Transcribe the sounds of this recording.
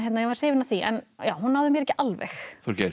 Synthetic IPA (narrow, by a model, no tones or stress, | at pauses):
ɦɛt̪najɛvaɾr̥eːvɪnaθiʔɛ̰njaːwɦunhavðʏmjɛɾɛhcːɪʔalvɛ̰xθɔɾcɛɾ